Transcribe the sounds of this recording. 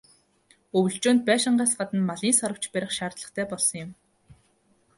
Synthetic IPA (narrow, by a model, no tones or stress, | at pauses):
ɵwɵ̆ɬt͡ɕoːnt̪̚pæːʃɪ̆ɴɢæːt̪ɢat̪ə̆nmaɮiːnsaɾə̆w̥t͡ɕpæɾʲɪ̆χʃaːrt̪ɮə̆χt̪ʰæːpɔɮsɞ̆ŋjɪ̆m